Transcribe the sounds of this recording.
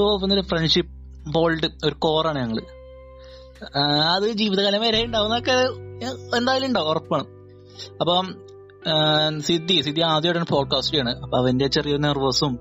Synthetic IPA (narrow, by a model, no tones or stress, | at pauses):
pːɐnːilɨfreɳɖʂipːɨ | bo̞ːlɖɨoɾuko̞ːraːɳɨɲɐŋːɐɭɨ̰ | ɐðɨd͡ʑiːʋiðɐɣaːljɐmɐɾejuɳɖaːʋunːɐokːe | end̪aːjɐlmuɳɖaːmorɐpːaːɳɨm | ɐpːoː | sid̪isid̪iaːd̪jɐjɽɐnpo̞ːɖ̚kaːsʈɨjaːɳɨɐpːoɐʋɐndet͡ɕːerijɐinːɐruʋɐsum